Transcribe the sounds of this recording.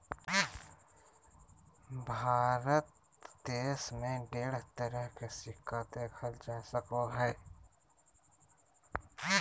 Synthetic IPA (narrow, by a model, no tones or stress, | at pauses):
bʱaːɾət̪̚ | d̪eːsmẽɖeːɽ̤t̪əɾəɦkesɪkʰːad̪ekʰəld͡ʒaːsəkoɦɛː